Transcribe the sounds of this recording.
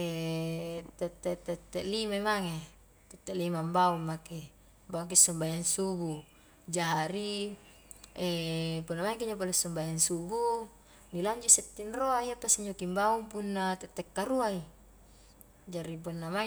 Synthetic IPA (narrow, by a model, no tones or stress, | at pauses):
ɛ | t̪ɛt̪ːɛt̪ːɛt̪ːɛʔlimaimaŋe | t̪ɛt̪ːɛʔlimambauŋːake | mbauŋk̬isɔmbajaŋsubu | d͡ʒaɾi | ɛpunːamaŋk̬iɲap̬alesɔmbajaŋsubu | nilaɲd͡ʒuʔsɛt̪ːinroaiapasiɲd͡ʒokimbauŋpunːat̪ɛt̪ːɛkːaɾuai | d͡ʒaɾip̬unːama